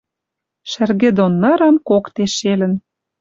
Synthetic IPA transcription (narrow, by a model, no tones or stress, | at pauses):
ʃɘ̆rɣĕd̪onːɑɾɑ̆mkokt̪eʃelə̆n